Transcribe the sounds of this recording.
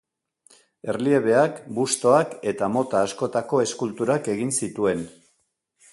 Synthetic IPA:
e̞rlie̞β̞e̞akbust̪o̞ake̞t̪amo̞t̪aːsko̞t̪ako̞e̞skult̪uɾake̞ɣinsit̪ue̞n

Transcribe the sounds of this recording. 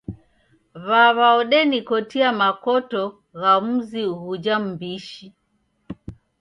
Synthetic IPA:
βaβaɔɗɛnikɔtiamakɔtɔ | ɣam̩ziuhud͡ʒam̩biʃi

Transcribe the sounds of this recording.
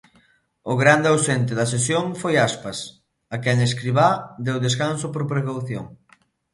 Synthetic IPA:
ʊɣɾand̪ɪawsent̪ɪðɐsesjoŋfojaspɐs | ɐkɛŋeskɾiβad̪ewðes̬kansʊpoɾpɾekawθjo̰ŋ

